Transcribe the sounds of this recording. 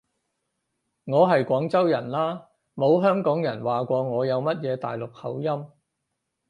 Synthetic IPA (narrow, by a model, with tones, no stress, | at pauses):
ŋɔː˨˧ɦɐ˨jkʷɔː˨˥ŋt͡sɐ˥wjɐ˨˩nlaː˥ | mo˨˧wɦœː˥ŋkɔː˨˥ŋjɐ˨˩nwaː˨kʷɔː˧ŋɔː˨˧jɐ˨˧wmɐ˥t̚jɛː˨˧t̪a̰ː˨jlʊ˨k̚hɐ̰˨˥wjɐ˥m